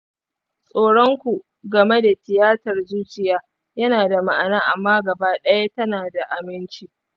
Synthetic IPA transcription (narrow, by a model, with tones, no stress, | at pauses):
sʼoː˦ɽɔ˦ŋkʷu˨ʔ | ɡɐ˨me˦da˨tɪ˨jaː˦tɐ˨rzuː˦t͡ʃɪ˨jaː˦ | jɐ˦naː˨da˨ma˨ʔa˨naː˦ʔa̰˨mːaː˦ɡɐ˨baː˦ɗɐ˦ja˦tɐ˦naː˨da˨ʔa˨mɪ˦nt͡ʃi˦